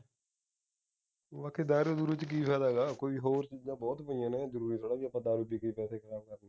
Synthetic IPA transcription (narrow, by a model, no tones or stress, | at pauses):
ʋaːkeːd̪aːɾoːd̪uɾut͡ʃk̬iːpɛːd̪aːɡaːkoːiːɦoːɾt͡ʃiːzãːbɔːt̪pəijãːnẽːzəɾuːɾiːt̪ʰoːɽaːʋiːəpãːd̪aːɾuːbiːkəiːpɛːseːkʰəɾaːbkəɾne